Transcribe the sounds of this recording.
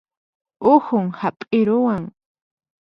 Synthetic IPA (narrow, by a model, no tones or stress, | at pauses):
ʊhʊŋhapʼɪɾʊwaŋ